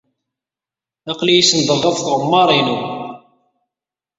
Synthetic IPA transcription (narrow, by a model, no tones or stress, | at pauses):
ɑqlijisənd̪ˤəʁˤɑðˤθʁəmːɑɾˤinu